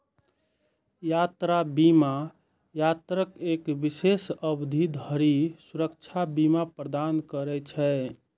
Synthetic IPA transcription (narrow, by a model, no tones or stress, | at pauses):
jat̪ɾabima | jat̪ɾəkekbisesəbd̪ʱid̪ɦəɾisuɾək̚t͡ʃʰabimapɾəd̪ankəɾɛt͡ʃʰɛ